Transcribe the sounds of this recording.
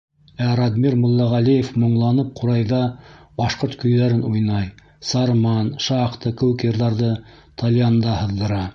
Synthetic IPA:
æɾɑd̪miɾmŏlˠːɑʁælijefmŏɴlˠɑnɤp̚qʰuɾɑjðɑbɑʃqoɾt̪kɵ̆jðæɾɘnujnɑj | sɑɾmɑnʃɑqt̪ɤkɵ̆wɘkjɤ̆ɾðɑɾðɤ | t̪ʰɑlʲjand̪ɑhɤ̆ðːɤ̆ɾɑ

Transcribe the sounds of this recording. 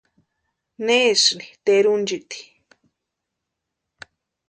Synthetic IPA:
nesnit̪eɾund͡ʒit̪i̥

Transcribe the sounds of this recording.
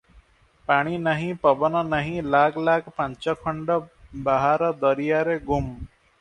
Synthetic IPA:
paːɽ̃inəɦĩpəbənanəɦĩlaːkʰlaːkʰpɐ̃ɲt͡ʃəkʰəɳɖəbaɦaːɾəd̪əɾijaɾeɡʊm

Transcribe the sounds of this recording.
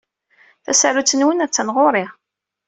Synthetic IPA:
θæ̰sæɾut͡sːənwənæt͡sːænʁoɾˤɪ

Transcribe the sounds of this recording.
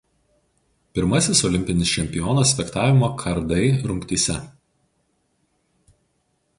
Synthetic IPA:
pʲɪɾmɐsʲɪsɔlʲɪmʲpʲɪnʲɪst͡ʃʲɛmʲpʲɪjɔnɐsʲfʲɛkt̪ɑːʋʲɪmoːkʰɐɾd̪ɐɪɾʊŋʲkt̪ʲiːsʲɛ

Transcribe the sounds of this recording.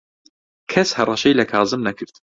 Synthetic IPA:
kʰɐshɐrˤɑʃɛjlɐkʰɑːzɨmnɐkʰɨɾt̪

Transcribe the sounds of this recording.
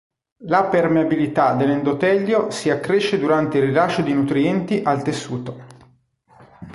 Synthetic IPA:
lapermeabilit̪ad̪elend̪ot̪ɛʎːosiakːɾeʃːed̪uɾant̪eirːilat͡ʃːod̪inut̪ɾiɛnt̪iʔalt̪esːuːt̪o

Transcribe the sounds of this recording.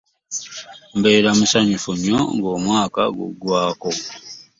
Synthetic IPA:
mbe̞ːɾamusaɲifuɲːo̰ŋɡo̞ːmwaːka̰ɡṵɡwaːko̞

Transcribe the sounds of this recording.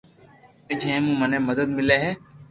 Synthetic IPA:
ɪd͡ʒɦɛ̃ːmũːməneːməd̪əd̪̚mɪleːɦɛː

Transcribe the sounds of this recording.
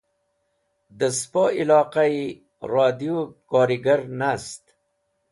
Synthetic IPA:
d̪əspoːilɑːqai | ɾɑːd̪ijokɑːɾiɡaɾnast̪

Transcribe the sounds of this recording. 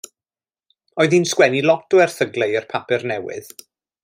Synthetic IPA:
ɔɨðinskwɛnilˠɔtuɛrθəɡlejərpʰapɪrnɛwɪ̰ð

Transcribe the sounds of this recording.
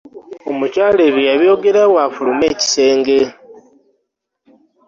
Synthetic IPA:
omucaːleβijaβjo̞ɡeɾaɣwafulumeci̥se̞ːŋɡe

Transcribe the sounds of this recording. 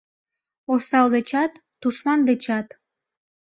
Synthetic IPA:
osɑld̪et͡ɕɑt̪ːuʃmɑnd̪et͡ɕɑt̪

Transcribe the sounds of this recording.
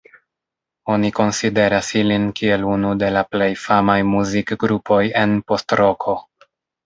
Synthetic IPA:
o̞niko̞nside̞ɾasilinkie̞lunude̞laple̞jfamajmuzikɡɾupʰo̞je̞npo̞stɾo̞kʰo̞

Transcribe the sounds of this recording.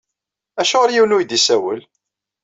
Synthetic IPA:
æʃʊʁəɾjiwnujd̪isæwə̰l

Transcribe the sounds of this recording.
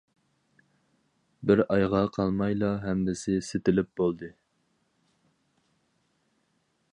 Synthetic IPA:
bɪɾɑjʁɑqʰɑlˠmɑjlˠɑɦɛmd̪ɪsɪset̪ɪlɪp̚bolˠd̪ɨ

